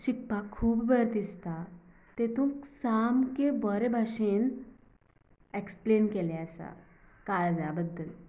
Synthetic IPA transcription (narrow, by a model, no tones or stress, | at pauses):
ɕik̚pakʰuːbbəɾt̪ist̪a | t̪et̪ũːksamkebɔɾebʱaɕen | eksplenkeleasa̰ | kald͡zabəd̪ːəl